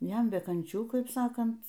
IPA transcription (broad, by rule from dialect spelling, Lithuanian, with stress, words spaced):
ˈjɛm bʲɛ kɐnʲˈt͡ʃʲuː ˈkɐɪp ˈsɑːkɐnt